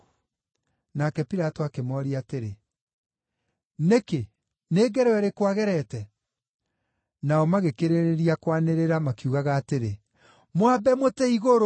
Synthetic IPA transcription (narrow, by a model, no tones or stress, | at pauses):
nakɛpiɾatoakemɔɾiateɾe | neke | neːɡɛɾɛwɛɾekwaɣɛɾɛtɛ | naɔmaɣekeɾeɾeɾiakwaneɾeɾamakiuɣaɣaːteɾe | mwabɛmotɛiɣoɾo